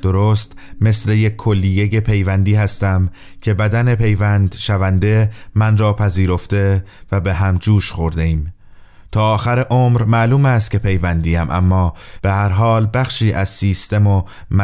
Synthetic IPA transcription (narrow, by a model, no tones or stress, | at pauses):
d̪̥o̞ɾoːst̪me̞sle̞jekʰːo̞lːije̞je̞pʰe̞jvænd̪iːhæst̪æm | cʰe̞bæd̪æne̞pʰe̞jvænd̪ʃævænd̪e̞mænrɒːpʰæziːɾo̞ft̪e̞væbeɦæmd͡ʒuːʃxo̞ɾd̪e̞iːm | t̪ʰɒːxæɾeʔomɾmæːluːmæst̪̚cʰʲe̞pʰe̞jvænd̪iːæmʔæ̰mːɒːb̥e̞hæɾɦɒːlbæxʃiːʔæzsiːst̪e̞mo | mæ